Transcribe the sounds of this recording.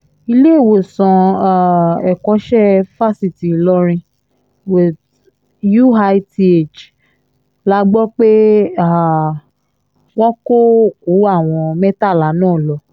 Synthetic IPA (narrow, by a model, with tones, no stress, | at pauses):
i˧le˦e˦˨wo˨sã˧a˦˨ɛ˨kɔ˨˦ʃɛ˦fa˦si˨ti˨lɔ˧ɾ̃ĩ˧ | wi˨ð | ju˦a˧˦ti˧e˦˨t͡ʃ | la˧˦ɡ͡bɔ˦k͡pe˦a˦˨ | wɔ̃˦ko˦˨ku˨˦a˦˨w̃ɔ̃˧mɛ˦ta˦˨la˨˦nãː˦˨lɔ˧˦